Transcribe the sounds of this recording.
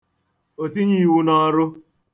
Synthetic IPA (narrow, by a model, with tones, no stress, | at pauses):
o˨ti˦ɲi˦˨wu˦nɔ˦ɾʊ˦